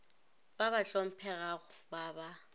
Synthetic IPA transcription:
baβaɬom̩pʰɛɣaɣʊbaːba

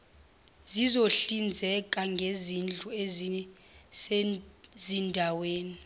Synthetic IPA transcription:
zizoɬind͡zʱɛkʼaŋɡʱezind͡ɮʱuez | s | zindʱaweːni

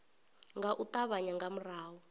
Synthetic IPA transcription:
ŋɡaʔut̪aβaɲaŋɡam̩raːwɔ

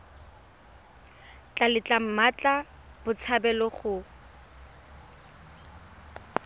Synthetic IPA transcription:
t͡ɬʼalɪt͡ɬʼam̩mat͡ɬʼa | b̥ʊt͡sʰabɛlɔχʊ

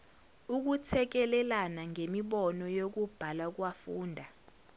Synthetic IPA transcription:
uk̬ut͡sʰɛk̬ɛlɛlanaŋemiɓɔnɔjok̬ub̥ʱalak̬wafuːndʱa

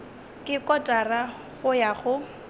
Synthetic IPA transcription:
kʼɪkʼɔtʼara | ɣʊjaχʊ

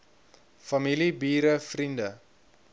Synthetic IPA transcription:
fɐmilibiːɾəfrində

